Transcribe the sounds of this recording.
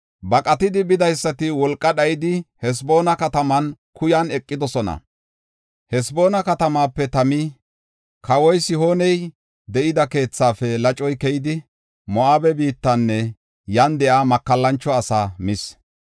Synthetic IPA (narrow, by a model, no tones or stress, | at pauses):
bɐkʼɐt̪ɪd̪ɪbɪd̪ɐjsːɐt̪ɪwɔlkʼːɐɗɐjɪd̪ɪhɛs̬bo̞ːnɐkɐt̪ɐmɐn | kʊjɐnɛkʼːɪd̪ɔsɔnɐ̰ | hɛsbo̞ːnɐkɐt̪ɐmaːpːɛt̪ɐmɪ | kʰɐwɔjsɪɦo̞ːnɛj | d̪ɛʔɪd̪ɐke̞ːt͡sːaːfɛlɐt͡ʃʼɔjkɛjɪd̪ɪ | mɔʔaːbɛbiːt̪ːɐnːɛ | jɐnd̪ɛʔaːmɐkːɐlːɐnt͡ʃːɔɐsaːmɪs